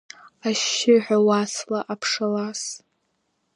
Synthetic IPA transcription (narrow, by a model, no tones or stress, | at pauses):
aʃɪħʷᶣawaslaʔapʰʂalas